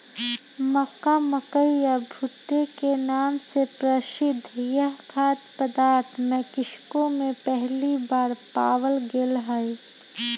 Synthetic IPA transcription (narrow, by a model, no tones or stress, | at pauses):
məkaməkəijabʱʊʈːekenaːmsepɾəʃɪd̪ʱːjəɦkʰaːt̪pəd̪aːɾt̪ʰmẽkɪʃkomẽpɛɦlibaːɾpa̰ːwəlɡelɦəj